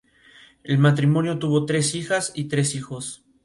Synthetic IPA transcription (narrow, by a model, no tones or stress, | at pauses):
e̞lmat̪̬ɾimõ̞njo̞t̪uβo̞t̪ɾe̞sixasit̪ɾe̞sixo̞s